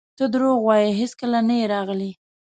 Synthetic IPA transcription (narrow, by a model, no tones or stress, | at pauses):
t̪əd̪ɾoɣwɑjəɦeskəlanajeɾɑɣli